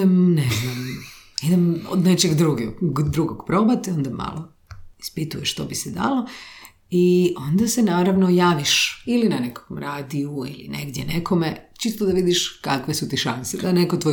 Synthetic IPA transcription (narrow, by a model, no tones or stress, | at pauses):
emneznamid̪emo̰d̪net͡ʃeɡd̪ɾuɡeɡd̪ɾuɡoɡpɾo̞bat̪o̞nd̪ama̰lˠo | i̥spit̪ujeʃt̪o̰bisid̪a̰lo | iond̪asenaːɾaʋnojaːʋiʃilinane̞koomɾaːd̪iuḭlḭnḛɡd̪jenekʰo̞met͡ʃist̪od̪aʋid̪iʃkakʋesut̪iʃansed̪anekot̪ʋo